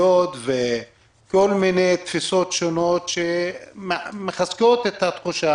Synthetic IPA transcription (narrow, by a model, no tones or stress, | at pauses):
ot̪ve | ko̞lminejt̪fiso̞t̪ʃono̞t̪ʃemmeχazko̞t̪et̪hat̪χuʃa